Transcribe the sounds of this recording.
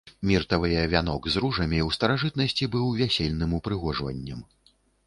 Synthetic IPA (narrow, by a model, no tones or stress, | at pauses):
mʲirt̪ɐvɨjɐvʲanɔɡzɾuʐɐmʲiwst̪ɐɾaʐɨt̪̚nɐsʲt͡sʲibɨwvʲasʲelʲn̪ɨmupɾɨɣɔʐvɐ̰nʲːɐm